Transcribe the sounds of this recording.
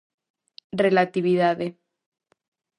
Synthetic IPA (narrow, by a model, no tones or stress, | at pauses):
relat̪iβiðaðe